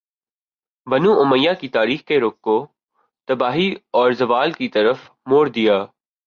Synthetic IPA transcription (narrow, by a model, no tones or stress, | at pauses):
bɐnuʊməjakit̪aːɾiːxkeɾoːkːo | t̪ɐbaːɦiɔːɾzɐʋaːlkit̪ɐɾəf | moːɾd̪ɪjaː